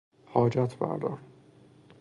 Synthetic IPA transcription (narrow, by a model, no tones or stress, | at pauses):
hɒːd͡ʒæt̪ʰbæ̰ɾd̪ɒ̰n